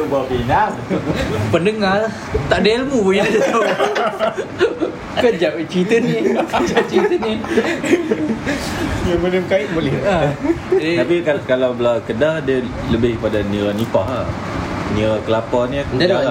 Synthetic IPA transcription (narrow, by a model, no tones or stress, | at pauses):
bakina | pəndəŋalah | t̪aʔdəlmubujadət̪a | kəd͡ʒap̚t͡ʃit̪ənikəd͡ʒap̚t͡ʃit̪əni | əmənəmkaiʔbolɛha | t̪apiakalawbəlakədadiə | ləbɪhpadaniɾanipaha | niɾakəlapanidada